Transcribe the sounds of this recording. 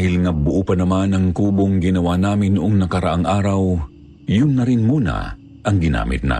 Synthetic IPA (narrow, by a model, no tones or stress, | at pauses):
hɪlŋɐbʊʔuːpɐnɐmanɐŋkuːboŋɡɪnɐwanaːmɪnːʊʔoŋnɐkɐɾɐʔaŋʔaːɾɐw | jʊnːɐɾɪnmuːnɐ̰ | ʔɐŋɡɪna̰ːmɪ̰t̪̚na̰